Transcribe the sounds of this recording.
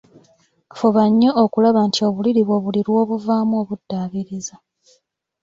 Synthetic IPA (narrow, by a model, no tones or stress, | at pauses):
foβaɲːoʔokulaβantio̞ːβuliɾiβwo̞βuliɾwo̞ːβuvaːmuo̞ːβudːaːβiɾiza